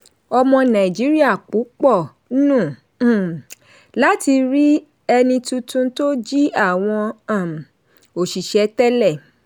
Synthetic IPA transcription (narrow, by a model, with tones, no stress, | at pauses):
ɔ˧mɔ̃˧nã˨i˨d͡ʒi˨˦ɾi˦a˦˨k͡pu˨˦k͡pɔ˦˨˦ | nũ˦˨˦ | la˦ti˧ɾi˦ | ɛ˧nĩ˧tũ˧tũ˦to˦d͡ʒi˦a˦˨w̃ɔ̃˧a˦˨m˨ | o˨ʃi˨ʃɛ˧tɛ˦lɛ˦˨